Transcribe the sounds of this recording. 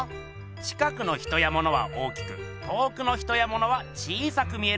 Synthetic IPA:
t͡ɕi̥kakɯ̟no̞çi̥t̪o̞jamo̞no̞βa̰ʔo̞ːkʲi̥kɯ̟t̪o̞ːkɯ̟no̞çi̥t̪o̞jamo̞no̞βat͡ɕiːsakɯ̟mʲie̞

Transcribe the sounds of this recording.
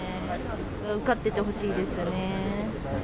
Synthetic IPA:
aɯ̟kat̪ːe̞t̪e̞ɦo̞ɕiːd̪e̞sɨne̞

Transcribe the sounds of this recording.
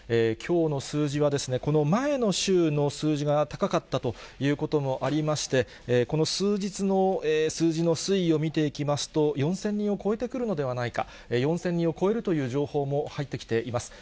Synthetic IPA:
eːkʲʰo̞ːno̞sɨːʑiβ̞ad̪e̞sɨne̞ko̞no̞mae̞no̞ɕɨːno̞sɨːʑiɡat̪akakat̪ːat̪o̞jɯ̟ːko̞t̪omo̞ʔaɾʲimaɕi̥t̪e̞ | ko̞no̞sɨːd͡ʑit͡sɨno̞eːsɨːʑino̞sɨio̞mʲit̪e̞ikʲimasɨ̥t̪o̞jõ̞ɰ̃sẽ̞ɲ̟ːĩo̞ko̞e̞t̪e̞kɯ̟ɾɯ̟no̞d̪e̞β̞anaika̰ | ejõ̞ɰ̃sẽ̞ɲ̟ːĩo̞ko̞e̞ɾɯ̟t̪o̞jɯ̟ːʑoːho̞ːmo̞hait̪ːe̞kʲi̥t̪e̞ʔimasɨ̥

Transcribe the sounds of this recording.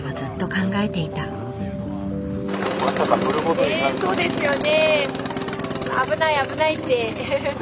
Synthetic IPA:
mazɨt̪ːo̞kãŋɡae̞t̪e̞it̪a | asakaoɾɯkoso̞ːd̪e̞sɨjo̞ne̞ | a̰bɯ̟naiabɯ̟nait̪ːe̞

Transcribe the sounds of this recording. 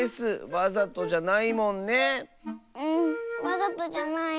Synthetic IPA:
esɨβazat̪o̞d͡ʑanaimõ̞nːe | ɯ̟̃ɴβazat̪od͡ʑanai

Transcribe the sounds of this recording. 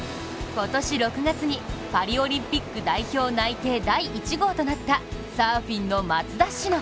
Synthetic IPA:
ko̞t̪o̞ɕiɾo̞kɯ̟ɡat͡sɨɲ̟ipaɾʲio̞ɾʲĩmpʲikːɯ̟d̪aiço̞ːnait̪e̞ːd̪aiːt͡ɕiɡo̞ːt̪o̞nat̪ːasaːɸʲĩnːo̞mat͡sɨd̪aɕːino

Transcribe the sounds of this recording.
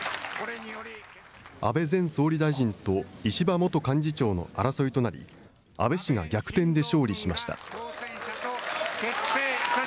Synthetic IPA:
a̰be̞zẽ̞ɰ̃so̞ːɾʲid̪aiʑĩnt̪o̞iɕibamo̞t̪o̞kãɲ̟d͡ʑit͡ɕo̞ːno̞̰aɾaso̞it̪o̞naɾʲḭ | a̰be̞ɕiŋa̰ɡʲakɯ̟̥t̪ẽ̞nd̪e̞ɕo̞ːɾʲiɕimaɕi̥t̪a̰

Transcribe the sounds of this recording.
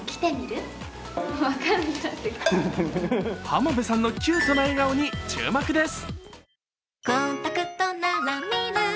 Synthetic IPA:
kʲi̥t̪emʲiɾɯ | βakantasɨka | hamobesãnːo̞kʲɨːt̪onaiɡaoɲ̟it͡ɕɨ̰ːmakɯ̟d̪e̞sɨ̥ | ɡ̥ont̪akɯt̪ːonːamamːina

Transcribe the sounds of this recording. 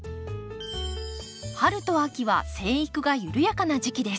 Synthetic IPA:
haɾɯ̟t̪o̞akʲiβa̰sẽ̞ɰ̃ikɯ̟ɡajɯɾɯ̟jakanaʑikʲid̪e̞sɨ̥

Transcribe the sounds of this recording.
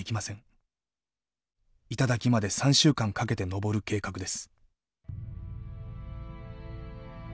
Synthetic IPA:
ikʲimasẽŋ | it̪ad̪akʲimad̪e̞sãɰ̃ɕɨːkãŋkake̞t̪e̞no̞bo̞ɾɯ̟ke̞ːkakɯ̟d̪e̞sɨ̥

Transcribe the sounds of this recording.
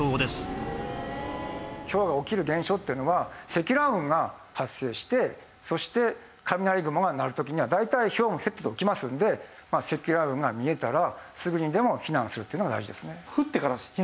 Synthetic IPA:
oːd̪esɨ̥ | ço̞βɡao̞kʲiɾɯ̟ɡẽ̞ɰ̃ɕo̞ːt̪ːe̞iɯ̟no̞βase̞kʲiɾaɯ̟̃ŋɡa | hasːe̞ːɕi̥t̪e̞ | so̞ɕi̥t̪e̞ | kʰamʲinaɾʲiɡɯ̟moɡanaɾɯ̟t̪o̞kʲiɲ̟iβad̪ait̪aiço̞ːmose̞t̪ːod̪ookʲimasɨ̃nd̪e̞ | mase̞kʲiɾaɯ̟̃ŋɡamʲie̞t̪aɾasɨɡɯ̟ɲ̟id̪e̞mo̞çinãɰ̃sɨɾɯ̟t̪eiɯnoɡad̪a̰iʑid̪e̞sɨne̞hɯt̪ːekaɾa

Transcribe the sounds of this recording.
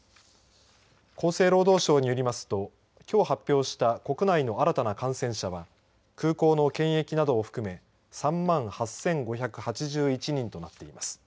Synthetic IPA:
ko̞ːse̞ːɾo̞ːd̪o̞ːɕo̞ːɲ̟ijo̞ɾʲimasɨ̥t̪o̞ | kʲo̞ːhapʲːjo̞ːɕi̥t̪ako̞kɯ̟naino̞aɾat̪anakãɰ̃sẽ̞ɰ̃ɕaβa | kɯ̟ːko̞ːno̞kẽ̞ɰ̃e̞kʲinad̪o̞ːɸɯ̥kɯ̟me̞ | sãmːãɰ̃hasẽ̞ŋɡo̞çakɯ̟hat͡ɕiʑɨːit͡ɕiɲ̟ĩnt̪o̞nat̪ːe̞imasɨ̥

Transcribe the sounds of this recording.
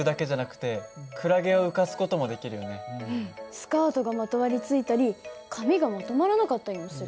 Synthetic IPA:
ɯ̟d̪ake̞ʑanakɯ̟̥t̪e̞kʰɯ̟ɾaɡe̞o̞ɯ̟kasɨ̥ko̞t̪o̞mo̞d̪e̞kʲiɾɯ̟jone | sɨ̥kaːt̪o̞ɡamat̪o̞maɾʲit͡sɨit̪aɾʲikʰamʲiɡamat̪o̞maɾanakat̪ːaisɨɾ

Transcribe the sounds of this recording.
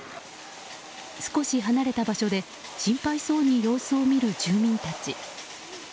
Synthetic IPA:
sɨ̥ko̞ɕiɦanaɾe̞t̪abaɕo̞d̪e̞ | ɕĩmpaiso̞ːɲ̟ijo̞ːsɨomʲiɾɯ̟d͡ʑɨːmʲĩnt̪at͡ɕi

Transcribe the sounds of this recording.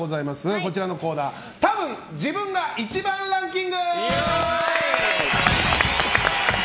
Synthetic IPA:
ozaimasɨko̞t͡ɕiɾano̞ko̞ːnaː | t̪abɯ̟̃ŋ | d͡ʑibɯ̟̃ŋɡaʔit͡ɕibãnɾãŋkʲĩŋɡɯ

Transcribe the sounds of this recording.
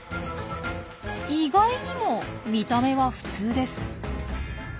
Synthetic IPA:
iɡaiɲ̟imo̞mʲit̪ame̞βaɸɯ̟̥t͡sɨːd̪e̞sɨ̥

